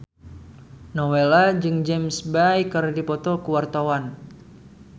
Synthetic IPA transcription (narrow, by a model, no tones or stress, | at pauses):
nɔwelad͡ʒɨŋd͡ʒɛmsbajkərdipɔt̪ɔkuwart̪awan